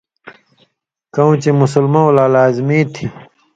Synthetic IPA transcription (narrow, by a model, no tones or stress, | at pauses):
kɐ̃ũt͡ɕemusəlmãwlaːlaːzmiːt̪ʰi